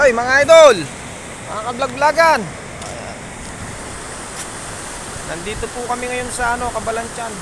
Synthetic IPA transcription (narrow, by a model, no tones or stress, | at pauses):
ojmɐŋaajd̪ol | mɐŋakɐblɐɡ̚blaːɡan | a̰ja̰ | nɐnd̪iːt̪opʊkɐmɪŋɐjo̞nsɐʔɐno̞kɐbɐlɐnt͡ʃan